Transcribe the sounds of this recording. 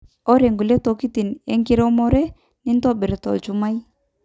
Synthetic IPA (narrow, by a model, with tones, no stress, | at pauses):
ɔ˦ɾe˨ŋɡu˨le˦to˨ki˦ti˨ne˦ŋɡɪ˦ɾɔ˦mɔ˦ɾɛ˦ | nɪ˦ntɔ˦be˨ɾtɔ̰˨lt͡ʃu˨ma˦j